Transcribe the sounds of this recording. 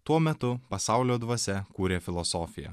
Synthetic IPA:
t̪uɔmʲɛt̪ʊpɐsɑˑʊlʲoːd̪ʋuɔsʲɛkuːɾʲeːfʲɪlˠɔsɔːfʲɪjɛ̰

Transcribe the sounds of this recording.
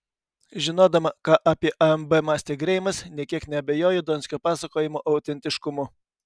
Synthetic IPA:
ʒʲɪnoːd̪ɐmɐkɑːʔɑːpʲiɛʔɐɛmbɛmɑːsʲt̪ʲeːɡɾʲɛɪmɐsnʲiɛkʲiɛknʲɛɐbʲɛjoːjod̪oːnʲsʲkʲoːpɑːsɐkoːjɪmoːʔɐʊt̪ʲɛnʲt̪ʲɪʃkʊmʊ

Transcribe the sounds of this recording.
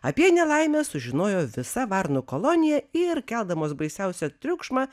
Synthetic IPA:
ɐpʲiɛnʲɛlˠɐɪmʲɛsʊʒʲɪnoːjoːʋʲɪsɐʋɐɾnukolˠonʲɪjɛɪɾkʲɛlˠd̪ɐmoːsbɐɪsʲɛʊsʲɛt̪ʲɾʲʊkʃmɑ

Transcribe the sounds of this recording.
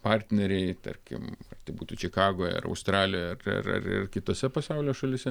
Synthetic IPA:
pɐrʲt̪ʲnʲɛɾʲɛɪt̪ɐ̰ɾʲkʲɪ̰mɐrt̪ʲɐɪbuːt̪uːt͡ʃʲɪkɑːɡoːjɐ̰rɐ̰ʊst̪rɑːlʲɪjoːjɐrɪ̰rɐ̰rɪ̰rkʲɪt̪oːsʲɛpɐsɐʊlʲoːʃɐlʲɪsʲɛ

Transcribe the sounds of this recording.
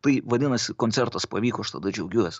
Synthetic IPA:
t̪ɐɪʋɐd̪ʲɪnɐsʲɪkonʲtsʲɛɾt̪ɐspɐʋʲiːkoɐʃt̪ɐd̪ɐd͡ʒʲɛʊɡʲuɔsʲɪ̥

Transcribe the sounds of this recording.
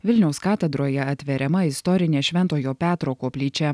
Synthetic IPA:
ʋʲɪlʲnʲɛʊskɑːt̪ʲɛd̪ɾoːjɛɐt̪ʲʋʲɛɾʲɛmɐɪst̪ɔɾʲɪnʲeːʃʲʋʲɛnt̪oːjoːpʲæːt̪ɾoːkoːpʲlʲiːt͡ʃʲɛ

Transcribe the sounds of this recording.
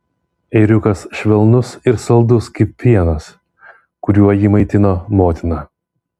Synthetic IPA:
ɛɪɾʲʊkɐsʃʲʋʲɛlˠnʊsɪɾsɐlˠd̪ʊskɐɪpʲʋʲiɛnɐs | kʊɾʲuɔjiːmɐɪt̪ʲɪnoːmoːt̪ʲɪnɐː

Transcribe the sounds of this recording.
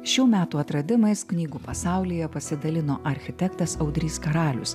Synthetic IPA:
ʃʲuːmʲæːt̪uːɐt̪ɾɐd̪ʲɪmɐɪsknʲiːɡuːpɐsɑˑʊlʲiːjɛpɐsʲɪd̪ɐlʲɪnoːʔɐɾʲxʲɪt̪ʲɛkt̪ɐsɐʊd̪ʲɾʲiːskɐɾɑːlʲʊ̰s

